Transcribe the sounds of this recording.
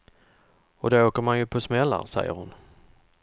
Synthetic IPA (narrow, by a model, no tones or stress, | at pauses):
ɔd̪ɛoːkəɾmanjɵpʰɔsmɛlːa̰sɛ̰jːə̰ɾhʊn